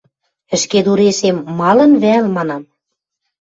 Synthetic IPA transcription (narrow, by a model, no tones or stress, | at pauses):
ɘ̆ʃked̪uɾeʃemːɑlɤ̆nβælmɑnɑm